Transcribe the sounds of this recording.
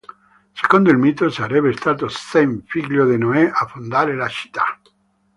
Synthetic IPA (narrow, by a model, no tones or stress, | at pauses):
seɣond̪oelmit̪osaɾeβest̪at̪osθejɱfiɣʎjoðenoeʔafund̪alelaʃi̥t̪a̰